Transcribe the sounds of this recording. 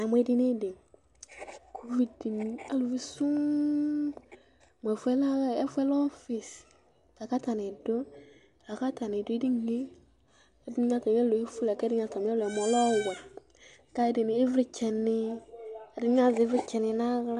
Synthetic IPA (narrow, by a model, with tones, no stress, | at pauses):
a˨mwɛ˨˦di˦ne˦dɪ˨ | ko˦vi˨di˨mi˦a˨lu˨vi˦sʊ˦ | m˨ɛ˨fɛ˦la˦ɛ˦fɛ˦lɔ˦fi˨s | la˨ka˦ta˨nɪ˨dʊ˦˨ | la˨ka˦ta˨nɪ˨dʊ˦di˦ŋ˦e˦ | dɪ˦ɲ˦a˦ta˨m˦ɛ˦lo˨e˦fu˦la˨kɛ˦ɪ˦ɲ˦a˨ta˨m˦lɛ˨m˨a˨˦lɔ˦˨wa˨ | ka˦ɪ˦dɪ˨nɪː˨˦vɾɪ˦t͡ʃɛ˨nɪ˦˨ | dɪ˦ɲ˦a˦˨zvɪ˦ɪ˦t͡ʃɛ˨nɪ˨na˦ɣla˦